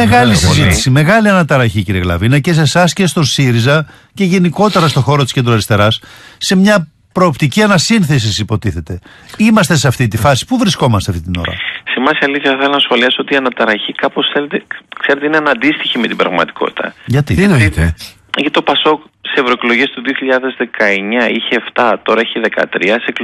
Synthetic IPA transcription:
eɣɐlissizit̪isime̞ɣɐliɐnɐt̪ɐɾɐçiciɾielɐ̰vinɐce̞se̞sɐsce̞st̪o̞siɾizɐ | ce̞ʝe̞niko̞t̪e̞ɾɐst̪o̞xo̞ɾot̪i̥sce̞nd̪ɾoɐɾist̪e̞ɾɐsːe̞mɲɐ | pɾo̞ːpt̪iciɐnɐsinθe̞s̬isipo̞t̪iθe̞t̪e̞ | imɐst̪e̞seɐft̪it̪ifɐsi̥puvɾisko̞mɐst̪eɐft̪it̪ino̞̰ɾɐ̰semɐsiɐliθçɐθɐθelonɐsxo̞liɐso̞t̪iɐnɐt̪ɐɾɐçikɐposθelet̪ekseɾet̪eineɐnɐnd̪ist̪içime̞t̪ibɾɐ̰ɣmɐt̪i̥kʰo̞̰t̪i̥t̪ɐ̰ʝɐt̪it̪inoit̪e | ʝɐit̪opɐso̞k | sisevɾoekloʝest̪uðioçiʎɐðe̞zðe̞kɐeɲɐiçeːft̪ɐt̪o̞ɾɐiçeðe̞kɐ̰t̪ɾiɐsek

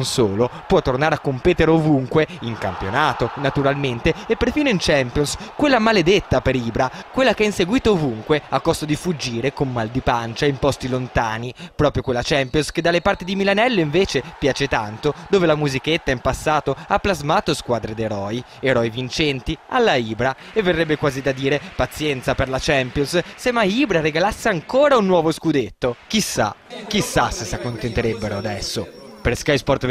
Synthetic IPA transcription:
unsoːlopwɔt̪ːornaːɾeakːompeːt̪eɾeovuŋkweiŋka̰mpjonaːt̪onat̪uɾalment̪eepːerfiːnoint͡ʃɛmpjonskwelːamaled̪et̪ːapeɾiːbɾakwelːakeainseɡwiːt̪oovuŋkweakːɔst̪od̪ifud͡ʒːiːɾekomːald̪ipant͡ʃaimpɔst̪ilont̪aːnipɾɔːpɾjokwelːat͡ʃɛmpjonsked̪ːalːepart̪id̪imilanɛlːoiɱveːt͡ʃepjaːt͡ʃet̪ant̪od̪oːvelamuziket̪ːaimpasːaːt̪oapːlazmaːt̪oskwaːd̪ɾed̪eɾɔːj | eɾɔjvint͡ʃɛnt̪ia̰lːaiːbɾa | evːerːɛbːekwaːzid̪ad̪iːɾepat̪sːjɛnt̪saperlat͡ʃɛmpjonssemaiːbɾaɾeɡalasːeaŋkoːɾaunːwɔːvoskud̪et̪ːok̟isːa̰k̟isːasesakːont̪ent̪eɾebːeɾoad̪ɛsːopeɾskajspɔrt̪

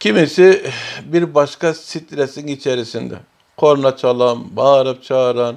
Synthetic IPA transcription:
cʰʲimisɪbiɾbɑʃkɑsit̪ɾɛsinit͡ʃʰɛɾisind̪ɛ̰ | qʰoɾnɑt͡ʃʰɑlˠɑnbɑːɾɯp̚t͡ʃʰɑːɾɑn

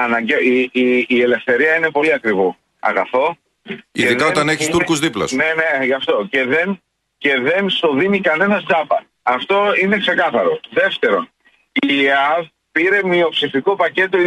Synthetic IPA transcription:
ɐnɐɲɟeiːele̞fθe̞ɾiɐine̞po̞liɐkɾivo | ɐ̰ɣɐθo̞ | ḭeðiðɐoɐneçist̪uɾkuzðiplɐ̰sne̞ne̞ʝɐft̪o̞ce̞ðe̞n | ce̞ðe̞nst̪o̞ðinikɐne̞nɐzd͡zɐpɐ | ɐft̪o̞ine̞kse̞kɐθɐɾo̞ðe̞ft̪e̞ɾo̞n | iɐv | piɾe̞mio̞psifiko̞pɐce̞t̪o̞i

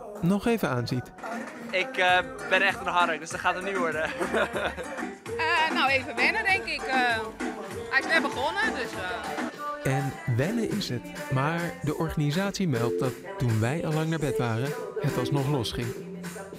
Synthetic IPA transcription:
nɔχejvənaːnzit | ɪkə | bɪnɛχtənɦɑɾək̚dɵsdətχaːtətnyʋɔɹdə | ənawejvəʋɛnədɛŋkɪkə | ɦɛjɪsʋɛbəχɔnədɵsə | ɛnʋɛnəʔɪsɦətmaːɹdəʔɔɹχanizaːtsimɛlˠt̚dɑtːunʋɛjɑlːɑŋnaːɹbɛtʋaːrənhətɑlˠsnɔχlɔsχɪŋ

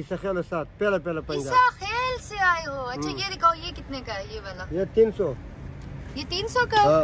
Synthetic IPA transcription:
ɪsɐxeːlɐsaːt̪̚pɛlapɛlapɐ̃ɲd͡ʒaaxeːlseaːeɦoːɐtʃʰajed̪ɪkʰaojekɪt̪nekaejebɐlajet̪iːnsoː | jet̪iːnsokɐɦã

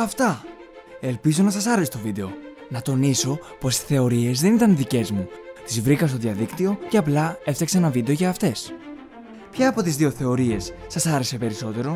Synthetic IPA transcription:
ɐft̪ɐ | e̞lpizo̞nɐsɐsɐɾeset̪o̞vid̪e̞o̞nɐt̪o̞niso̞po̞si̥θe̞o̞ɾie̞zðe̞nit̪ɐnðice̞zmut̪izvɾikɐst̪o̞ðiɐðikt̪io̞ce̞ɐplɐe̞fθeksenɐvid̪e̞o̞ʝɐːft̪e̞s | pçɐːpo̞t̪izðio̞θe̞o̞ɾie̞sːɐsɐɾe̞se̞pe̞ɾiso̞t̪e̞ɾo̞

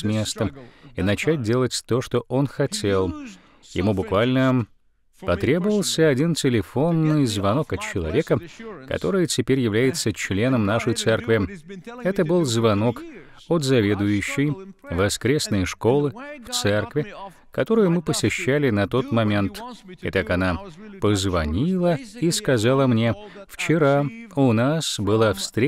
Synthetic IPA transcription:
smʲe̞st̪əminɐt͡ɕæt̚ʲdʲe̞lˠətʲt̪o̞ʂt̪o̞ʔo̞nxɐtʲelˠ | jɪ̰mubʊkvalʲnə | pɐt̪ɾʲe̞bəvəlˠsʲəɐdʲintʲɪlʲɪfo̞nːɨjzvɐno̞kɐt͡ɕːɪlˠɐ̰vʲe̞kəkɐ̰t̪o̞ɾɨjətʲɪpʲeɾʲjɪvlʲæjɪt̪sət͡ɕlʲe̞nəmnaʂəjt̪sɛrkvʲɪɛt̪əbɨlˠzvɐno̞k | ot̪zɐvʲe̞d̪ʊjʉɕːɪjvɐskɾʲesnɨjʂko̞lˠɨft̪sɛrkvʲɪ | kɐt̪o̞ɾɨjʊmɨpəsʲɪɕːælʲɪnɐt̪o̞t̪mɐmʲe̞nt̪ɪ̰t̪akɐnapəzvɐnʲilˠəiskɐzalˠəmnʲeft͡ɕɪɾaʊnasbɨlˠafst̪ɾʲ

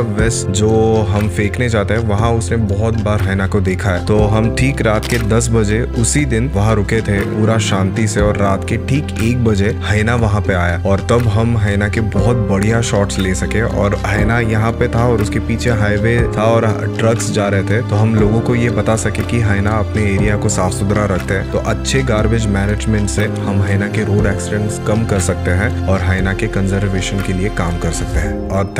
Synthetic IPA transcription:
ʋɛsd͡ʒoːɦɐmfeːknet͡ʃaːt̪eɦɛʋɐɦãʊsnebɔɦʊt̪baːɾɦɐnakod̪eːkʰaɦɛːt̪oːɦɐmʈʰiːkɾaːt̪ked̪ɐs̬bɐd͡ʒeʊsid̪ɪnʋɐɦãɾʊket̪ʰepuːɾaʃãːnt̪iseɔːɾːaːt̪keʈʰiːkeːk̚bɐd͡ʒehɐɪnaʋɐɦãpeaːjaːɔːɾt̪ɐbɦɐmɦɐɪnakebɔɦʊt̪̚bɐɽ̤ijaʃɔːʈsleːsɐkẽʔɔ̰ːɾɦɐːnajɐɦãpet̪ʰaɔːɾʊskepiːt͡ʃʰeɦaːɪʋet̪ʰaɔːɾ | ʈɾɐksd͡ʒaːɾɐɦet̪ʰet̪oɦɐmloːɡõkojebɐt̪asɐkẽkiɦɐɪnaɐpneeːɾijakosaːfsʊd̪ɾaɾɐkʰt̪eɦɛ̃ːt̪o̰ʔɐtːʃʰeɡaːɾbɪd͡ʒmɛːneːd͡ʒmɛ̃ɳʈsehɐmɦɐɪnakeɾoːɖɛːksɪɖɛ̃ɳʈskɐmkɐɾsɐk̚t̪eɦɛ̃ɔːɾɦaɪnakekɐ̃nzəɾʋeːʃənkeliekaːmkɐɾsɐk̚t̪eɦɛ̃ːɔːɾt̪ʰ

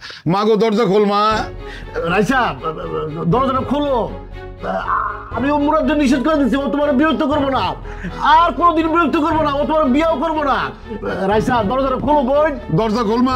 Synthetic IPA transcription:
maɡod̪ɔɾd͡ʑakʰolma | ɾasa | d̪ɔɾd͡ʑanakʰolo | amiomuɾad̪ːeniʃ̬id̪̚koɾed̪it͡ɕʰiot̪omaɾebiɾok̚t̪ːokoɾbona | aɾkonod̪inbiɾok̚t̪ʰːokoɾbonaot̪omaɾebiaokoɾbona | ɾajsad̪ɔɾd͡ʑanakʰolobojnd̪ɔɾd͡ʑakʰolma

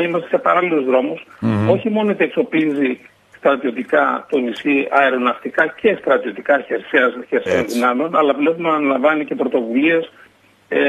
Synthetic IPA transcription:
imɐst̪esepɐɾɐlilozðɾo̞muso̞çimo̞not̪ie̞kso̞pizi | st̪ɾɐt̪io̞t̪ikɐt̪onisiɐeɾo̞nɐft̪ikɐce̞st̪ɾɐt̪io̞t̪ikɐçeɾseɐsçeɾsi̥t̪onðinɐmeo̞nɐlɐplefomɐːnɐlɐɱvɐnice̞pɾo̞t̪o̞vulie̞s

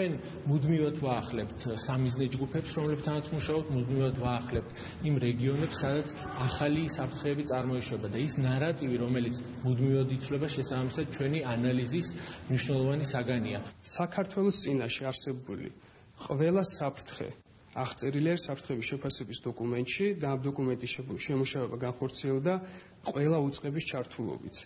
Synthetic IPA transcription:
t͡ʃʰɛn | mud̪mivat̪ʰvaːχlɛpt̪ʰsamiznɛd͡ʒɡupʰɛpsɾɔmlɛbt̪ʰanat̪sʰmuʃaɔb̚t̪ʰmud̪mivad̪ʰvaːχlɛp̚t̪ʰ | imɾɛɡiɔnɛpsːad̪at̪sʰ | aχalisapʰɾt̪ʰχɛːbit̪sʼaɾmɔiʃwɛbad̪aisnaɾat̪ʼiviɾɔmɛlit̪sʰ | mud̪mivad̪it̪sʰwlɛbaʃɛsaamisad̪̥̚t͡ʃʰwɛnianalizismniʃnɛlˠɔvanisaɡaniasakʰaɾt̪ʰwɛlˠɔst̪sʼinaʃɛaɾsɛbulḭ | qʼvɛlˠasapʰɾt̪ʰχɛ̰ | aχt̪sʼɛɾiliaɾisapʰɾt̪ʰχɛbisʃɛpʰasɛbisd̪ɔkʼumɛnt̪ʼʃid̪aːmd̪ɔkʼumɛnt̪ʼiʃɛmuʃavɛbaɡanχɔɾt̪sʰiɛlˠd̪a | qʼwɛlˠaut̪sʼqʼɛbist͡ʃʰaɾt̪ʰulˠɔ̰bḭt̪ʰ

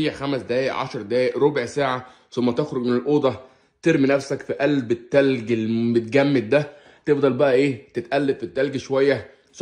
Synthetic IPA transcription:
iːʕxæmæsd̪æːjeʔʕɑ̰ʃɑɾˤd̪æːjeʔɾobʕsæːʕa | somːæt̪exɾoɡmenelʔoːd̪ˤɑ | t̪eɾminæfsækfiʔælbet̪ːælɡelmet̪̚ɡæmːed̪̚d̪æ | t̪efd̪ˤɑlbæʔæʔeːt̪et̪ʔælːebfit̪ːælɡiʃowæjːæ | s

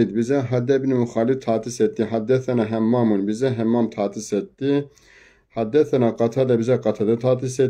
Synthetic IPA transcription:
id̪̚bizɛɦad̪ɛbnimuxɑːlift̪ʰɑːt̪isɛt̪ːiɦad̪ɛθɛnɑɦɛmːɑmunbizɛɦɛmːɑːmt̪ʰɑːt̪ʰisɛt̪ːi | hɑd̪ɛθɛnɑqɑt̪ʰɑd̪ɛbizɛqɑt̪ʰɑd̪ɛt̪ʰɑːt̪isɛ

